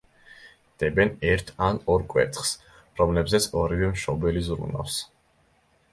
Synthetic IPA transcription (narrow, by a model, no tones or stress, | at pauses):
d̪̥ɛbɛnɛɾt̪ʰanɔɾkʼwɛ̰t̪ʰχs | ɾɔmlɛbzɛt̪sʰɔɾivɛmʃɔbɛlizɾṵnɔ̰fs